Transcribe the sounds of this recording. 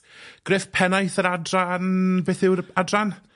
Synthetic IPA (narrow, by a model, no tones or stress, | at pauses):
ɡ̥rɪθpʰɛnajθəɾadranbeːθɪwɾadran